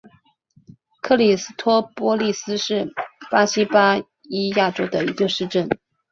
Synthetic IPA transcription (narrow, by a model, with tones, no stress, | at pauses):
kʰɤ˥˧li˨˩sɹ̩˥t̪ʰwɔ˥pwɔ˥li˥˩sɹ̩˥ʂɻ̩˥˩pa˥ɕi˥pa˥ | i˥ja˥˩ʈ͡ʂo˥ʊd̪ə˨i˧˥ɡə˧ʂɻ̩˥˧ʈ͡ʂə˥˩n